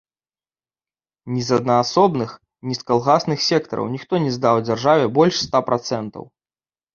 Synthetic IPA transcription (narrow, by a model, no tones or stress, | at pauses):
nʲizɐd̪nɐːsɔbnɨx | nʲiskalˠɣasnɨxsʲɛkt̪ɐ̰ɾɐ̰wnʲixt̪ɔnʲɛzd̪awd͡zʲarʐavʲɛbɔlʲʂst̪apɾʔat̪sɛnt̪ɐ̰w